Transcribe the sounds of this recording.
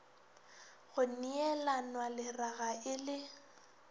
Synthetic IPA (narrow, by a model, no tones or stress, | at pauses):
ɣʊniɛlanwalɪraɣaʔɪlɪ